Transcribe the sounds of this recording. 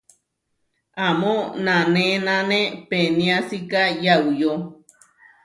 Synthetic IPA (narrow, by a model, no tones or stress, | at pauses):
amõnãnẽnãnẽpenĩãsikajaujo